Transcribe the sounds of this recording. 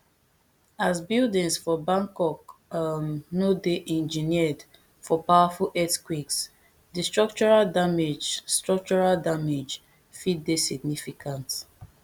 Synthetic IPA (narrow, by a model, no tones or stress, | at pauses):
asbildĩŋsfɔbãŋkɔkannodeʔɛ̃nd͡ʒiniɛd | fɔpawafulʔɛtkwiks | distɹɔk̚t͡ʃɔɹaldamed͡ʒstɹɔk̚t͡ʃɔɹaldamed͡ʒ | fit̚desiɡ̚nifikʰãnt